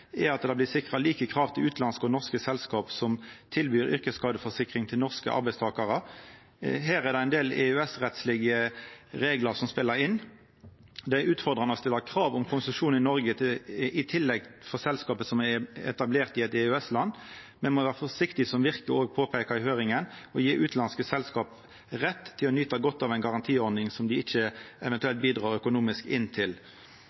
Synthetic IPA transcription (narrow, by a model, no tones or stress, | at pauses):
ɛɑt̪d̪ɑblɪsɪkʁɑliːkəkʰʁɑːʋt̪ʰɪlʉːt̪ʰlɑnskəɔnɔʁskəsɛlskɑːpsɔmt̪ʰɪlbyːɾʏ̰ʁkəskɑːd̪əfɔʂɪkʁɪŋt̪ʰɪlnɔʁskə̰ʔɑ̰ɾbæɪst̪ʰɑːkɑʁə | ɦæːʁæʁd̪ɛɪnd̪eːlɛ̰ʉɛsʁɛt̪slɪɡəɾeːɡləʁsɔmspɪlːəɾɪnː | d̪ɛæʉːt̪fɔʁd̪ʁɑnɔst̪ɪlːəkʰʁɑːʋʊmkʰʊnsʂuːnn̩ɪnɔʁɡət̪ʰɪɪt̪ʰɪlːɛɡfɔʁsɛlskɑːpəsɔmæɛ̰t̪ɑbleːʁt̪ɪɛt̪ɛʉɛslɑnː | mɛnmɔʋæːʁfɔʂɪkt̪ɪsɔmʋɪʁkəoːɡ̚pʰoːpʰɛːkɑɪhøːɾɪŋənɔjiːʔʉːt̪lɑnskəsɛlskɑːp | ʁɛt̪ʰːɪlɔnyːt̪ɑɡɔt̪ːɑʋæɪnɡɑʁɑnt̪ʰiːɔɾd̪nɪŋsɔmd̪ɪɪçəɛʋɛnt̪ʉɛlt̪̚biːd̪ʁɑːɾœkʊnuːmɪskɪnːt̪ʰɪl